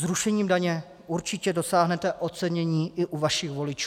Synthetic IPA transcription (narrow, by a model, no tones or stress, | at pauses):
zɾuʃɛɲiːmdaɲɛ | ʔuɾt͡ʃɪcɛdo̞saːɦnɛt̪ɛʔott͡sɛɲɛɲiːʔɪʔuvaʃɪxvo̞lɪt͡ʃuː